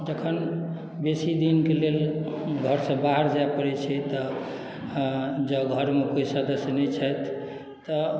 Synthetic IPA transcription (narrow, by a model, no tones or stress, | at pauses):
d͡ʒəkʰən | besid̪inkelelɡʱəɾsə̃baɦəɾd͡ʒaepəɾɛt͡ʃʰɛt̪ɔ | d͡ʒəɡʱəɾmekoisəd̪əsjənɛt͡ʃʰəjt̪ʰː | ɔ